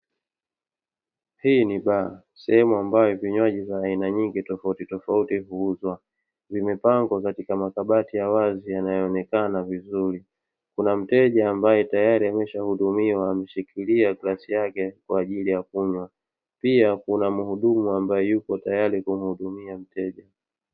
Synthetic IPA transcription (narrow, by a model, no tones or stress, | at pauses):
hiːniɓaa | sɛhɛmuambajɔviɲwaʄivaːinaɲiŋɡitɔfautitɔfautiɦuuzwa | vimɛpaŋɡɔkatikamakaɓatijawazijanajɔːnɛkanavizuɾi | kunam̩tɛʄaːmbajɛtajaɾiamɛʃahuɗumiwaːmɛʃikiliaklasijakɛkwaːʄilijakuɲwa | piakunamuhuɗumuambajɛjukɔtajaɾikum̩huɗumiam̩tɛʄa